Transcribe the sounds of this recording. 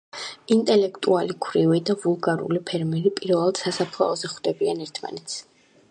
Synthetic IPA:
int̪ʼɛlɛkʰt̪ʼualikʰwɾivid̪avulˠɡaɾṵlipʰɛɾmɛɾipʼiɾvɛlˠad̪̥sasapʰlˠa̰ɔzɛχwd̪̥ɛbianɛɾt̪ʰma̰nɛt̪sʰ

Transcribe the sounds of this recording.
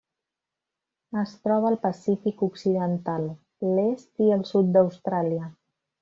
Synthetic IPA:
əst̪ɾɔβ̞əːlˠpəsifikuksiðənt̪alˠ | lest̪iəlˠsut̪̚d̪əwst̪ɾaliə

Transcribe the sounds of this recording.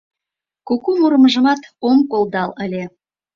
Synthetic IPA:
kukumuɾəməʒə̆mɑt̪omkolˠd̪ɑləlʲe

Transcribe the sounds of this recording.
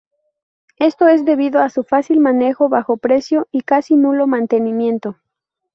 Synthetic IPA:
e̞st̪o̞e̞zðe̞βiðo̞asufasilmane̞xo̞βaxo̞pɾe̞sjo̞ikasinulo̞mãnt̪e̞nĩmjẽ̞nt̪o̞

